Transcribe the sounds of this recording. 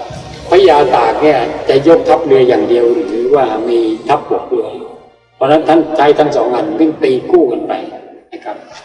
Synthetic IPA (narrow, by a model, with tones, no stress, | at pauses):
pʰɔ˧˦˥jaː˧t̪aː˨˩k̚ni˦˥˩ɐt͡ɕa˨˩jo˦˥k̚t̪ʰa˦˥p̚lɯ˧ɐjaː˨˩ŋdi˧əwɾɯ˨˦˩ɯː˨˦waː˥˩miː˧t̪ʰa˦˥p̚hu˨˩ək̚lɯ˧ɐ | pʰɔː˧˩na˦˥nt̪ʰa˦˥˩nt͡ɕʰa˦˥jt̪ʰa˦˥ŋsɔː˩˦ŋʔa˧˩nbɯ˧˥˩ŋt̪iː˧kuː˥˩ka˧npa̰˧jna˦˥kʰa˦˥p̚